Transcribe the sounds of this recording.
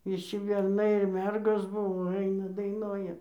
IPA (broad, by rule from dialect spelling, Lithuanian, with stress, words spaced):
ʋʲɪˈʃʲɪ bʲɛrˈnɐɪ ɪr ˈmʲɛrɡoːs ˈbʊʋoː ˈɐɪnɐ dɐɪˈnoːjɛ